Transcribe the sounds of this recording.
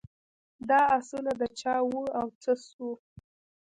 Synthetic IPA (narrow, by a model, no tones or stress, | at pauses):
d̪ɑasulad̪ət͡ʃɑwuawt͡səsu